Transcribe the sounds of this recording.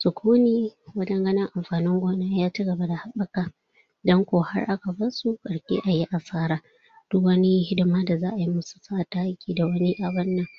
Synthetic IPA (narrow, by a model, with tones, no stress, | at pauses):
sʊ˨kʷʰuː˦niː˦wɐ˦d͡ʒɐ˦ŋɡɐ˦nɐ˦ŋʔa˨mɸaː˨nɪ˦ŋɡʷoː˦naː˦jaː˦t͡ʃi˦ɡɐ˨ba˦da˨ha˦ɓɐ˦kaː˨ | dɔ˦ŋkʷoː˨ha̰˦rʔa˦ka˨bɐ˦su˦˨kʼɐ˨ɽkʲḛː˦ʔa˨ji˦ʔa˨saː˦ɾaː˦ | d̥ʊ˦kwɐ˦ni˦hɪ˦dɪ˦maː˦da˨zaː˦ʔa˨ji˦mʊ˦su̥˨saː˦ʔta˦a˦kʲiː˦da˨wɐ˦ni˦ʔa˨bɐ˦nːɐ˨ŋ